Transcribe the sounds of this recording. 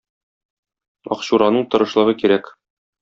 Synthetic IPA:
ɒ̰qɕuɾɑnɤɴt̪ɤ̆ɾɤ̆ʃlˠɤ̆ʁɤkiɾæk

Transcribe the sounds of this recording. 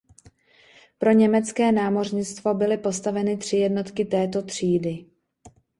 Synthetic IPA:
pɾo̞ɲɛmɛt͡skɛːnaːmo̞rɲɪt͡st̪vo̞bɪlɪpo̞st̪avɛnɪt̪r̝̥ɪjɛdno̞t̪kɪt̪ɛːt̪o̞t̪r̝̥iːdɪ

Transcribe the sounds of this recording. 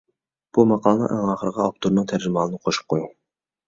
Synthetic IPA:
b̥umɑqʰɑːlˠənɨ̰ŋʔæŋɑːχəɾəʁɑɑp̚t̪ʰuɾnɨŋt̪ʰæɾd͡ʒɪmɑːlˠɨnɨqʰoʃu̥p̚qʰoj

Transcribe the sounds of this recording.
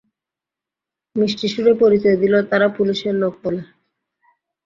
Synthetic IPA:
miʃʈiʃuɾepoɾit͡ɕɔed̪ilot̪aɾapuliʃeɾlok̚pole

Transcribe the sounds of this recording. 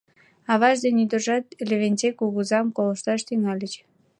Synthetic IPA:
ɑβɑʒd̪enʲyd̪ərʒɑt̪lʲeβʲenʲt͡sekuɣuzɑmkolə̆ʃt̪ɑʃt̪yŋɑlʲət͡ɕ

